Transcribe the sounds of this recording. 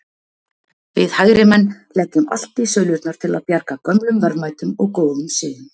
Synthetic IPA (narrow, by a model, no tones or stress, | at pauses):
vɪðhaːɣɾɪmɛnːlɛcːʏma̰l̥t̪isœːɥlʏɾt̪naɾ̥t̪ʰɪla̰ðpjaɾkakœmlʏmvɛɾðmaːjt̪ʏmɔɣkoːwðʏmsɪːðʏm